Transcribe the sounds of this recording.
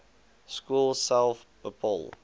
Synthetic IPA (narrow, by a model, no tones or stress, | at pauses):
skuːlˠsɛlˠf | əpʰɔ̰lˠ